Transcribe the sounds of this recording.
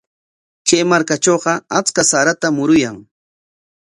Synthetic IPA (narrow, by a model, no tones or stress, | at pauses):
kejmaɾkat͡ʃoːqɑat͡skasaɾat̪amʊɾʊjaŋ